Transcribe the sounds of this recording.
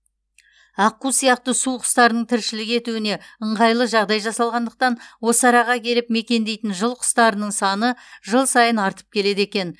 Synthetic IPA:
ɑqːusijɑqt̪əsuqʰʊ̥st̪ɑɾənəɴt̪ʰɪɾʃɪlɪɡʲe̞t̪uɪne̞əɴʁɑjlˠəʒɑʁd̪ɑjʒɑsɑlˠʁɑnd̪əq̚t̪ɑnwo̞səɑɾɑʁɑkʲʰe̞lɪp̚me̞kʲe̞nd̪e̞jt̪ɪnʒəlˠqʰʊ̥st̪ɑɾənəɴsɑnəʒəlˠsɑjənɑɾt̪ə̥p̚kʲʰe̞le̞d̪e̞kʲe̞n

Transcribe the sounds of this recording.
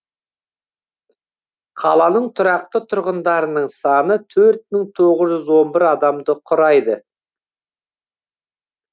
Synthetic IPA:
qʰɑ̰lˠɑnəɴt̪ʰʊɾɑq̚t̪ət̪ʰʊɾʁənd̪ɑɾənəɴsɑnət̪ʰɵɾt̪̚məŋt̪ʰo̞ʁəzʒʏzwo̞nbɪɾɑd̪ɑmd̪əqʰʊɾɑjd̪ə

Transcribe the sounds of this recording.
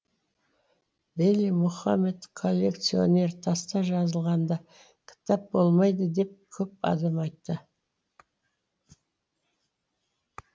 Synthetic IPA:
belimʊχɑmet̪kʰo̞lʲːe̞kt̪sio̞̰nʲe̞ɾt̪ʰɑst̪ɑʒɑzəlˠʁɑnd̪ɑ | kʲʰɪ̥t̪ɑp̚bo̞lˠmɑjd̪əd̪e̞p̚kʲʰɵp̚ɑ̰d̪ɑmɑjt̪ːə

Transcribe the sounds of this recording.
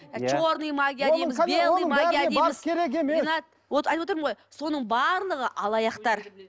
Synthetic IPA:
t͡ʃoɾnɨjmaɡʲijad̪ejmɪzelˠmaɡijaeijmɪkʲʰeɾekeminɑt̪̚ | oɑjt̪wot̪əɾməɴʁojso̞nəɴbɑɾlˠəʁəʔɑlˠɑjɑqt̪ɑɾ

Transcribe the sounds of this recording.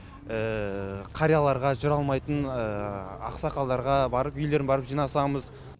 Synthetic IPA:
əqʰɑɾijɑlˠɑɾʁɑʒʊɾɑlˠmɑjt̪ənəɑ̰qsɑqɑlˠd̪ɑɾʁɑbɑɾəpʏjle̞ɾbɑɾəpʒijnɑsɑməz

